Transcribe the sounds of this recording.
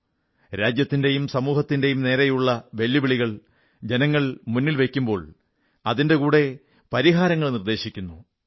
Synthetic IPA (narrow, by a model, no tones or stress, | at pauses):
ɾaːd͡ʑjɐt̪ːinde̞jumsɐmuːɦɐt̪ːinde̞jumne̞ːɾɐjuɭːɐʋe̞lːjiʋiɭiɣɐɭ | d͡ʑe̞nɐŋːɐɭmunːilʋe̞kʲːumbo̞ːɭ | ɐðinde̞kuːɽe̞ | pɐɾiɦaːɾɐŋːɐɭnird̪e̞ːɕikʲːunːu